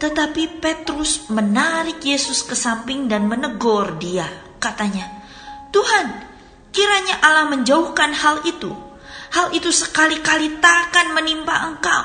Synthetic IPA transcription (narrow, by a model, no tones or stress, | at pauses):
t̪ət̪apipet̪ɾʊsmənaɾɪkjesʊskəsampɪŋdanmənəɡɔrdia | kat̪aɲa | t̪uɦan | kiɾaɲaʔalahməɲd͡ʒaʊhkanhalit̪ṵ | halit̪usəkalikalit̪akanmənimpaəŋkaw